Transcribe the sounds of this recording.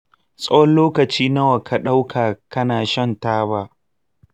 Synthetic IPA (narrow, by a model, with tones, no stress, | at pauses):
sʼɐ˦wɔ˦nloː˦kɐ˨t͡ʃiː˦nɐ˦wɐ˨kʰa˨ɗa˦wkʰaː˨kɐ˦naː˨ʃɐ˦ntaː˦baː˦